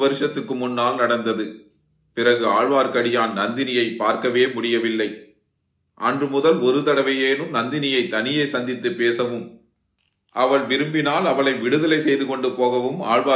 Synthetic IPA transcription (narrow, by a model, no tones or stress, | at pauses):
ʋɐɾɯʂɐt̪ːɯkːɯmʊnːaːlnɐɽɐnd̪ɐðɯ | pɪrɐɣɯaːɻʋaːɾkɐɽɪjaːnnɐnd̪ɪnɪjɐɪpːaːɾkɐʋeːmʊɽɪjɐʋɪlːɐɪ | ʔɐndrɯmʊðɐlɔɾɯt̪ɐɽɐʋɐjeːnɯmnɐnd̪ɪnɪjɐɪt̪ːɐnɪjeːsɐnd̪ɪt̪ːɯpːeːsɐʋɯm | ʔɐʋɐɭʋɪɾɯmbɪnaːlɐʋɐɭɐɪʋɪɽɯðɐlɐɪsɛjðɯkɔɳɖɯpoːɣɐʋɯma̰ːɻʋaː